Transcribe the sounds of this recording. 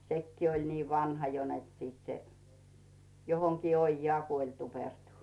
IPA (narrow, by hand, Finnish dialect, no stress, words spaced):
sekːiː olʲ niː ʋɑnhɑ jo net sit se johoŋkiː oijːɑː kuolʲ tupertu